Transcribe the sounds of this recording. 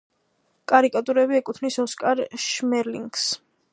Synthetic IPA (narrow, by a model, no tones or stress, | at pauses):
kʼaɾikʼat̪ʼuɾɛbiɛkʼut̪ʰnisɔskʼaɾʃmɛɾliŋɡs